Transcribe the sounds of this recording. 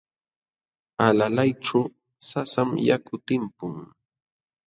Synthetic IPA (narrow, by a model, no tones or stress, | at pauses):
alalajʈ͡ʂaw | sasamjakʊt̪ɪmpʊŋ